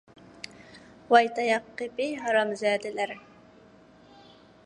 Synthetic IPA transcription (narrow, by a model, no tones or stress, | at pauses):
wɑjt̪ɑjɑqːepɪjɦɑɾɑmzɛːd̪ɪlæɾ